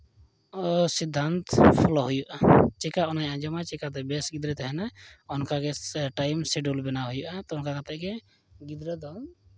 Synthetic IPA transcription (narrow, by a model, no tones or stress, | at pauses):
sid̪ʱːant̪pʰulɔɦujuʔat͡ʃɛkaɔnajʔad͡ʒɔmat͡ʃɛkat̪̬ɛbɛsɡid̪ɾɛt̪ɛɦɛnaɔnkaɡɛʈajmsɛɖulbɛnaɦujuʔat̪ɔnkakat̪ɛʔɡɛ | ɡid̪ɾɛd̪ɔ